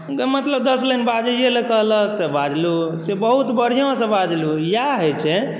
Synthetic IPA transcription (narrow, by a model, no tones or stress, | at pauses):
mət̪ləbd̪əslənbad͡ʒelekəɦlək̚t̪əbad͡ʒlusebəɦut̪bəɽ̤ijõsə̃bad͡ʒlujaɦot͡ʃʰɛ